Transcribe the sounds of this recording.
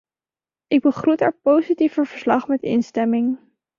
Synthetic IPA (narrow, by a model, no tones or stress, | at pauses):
ʔɪɡ̚bəχrutɛːɹpowsitifəvəɹslɑχmɛtɪ̰nstɛmɪŋ